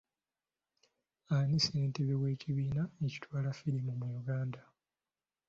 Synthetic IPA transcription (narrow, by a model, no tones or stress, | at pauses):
aniseːnteβewe̞ːciβiːnaeci̥twaːlafiɾimumujuɡaːnda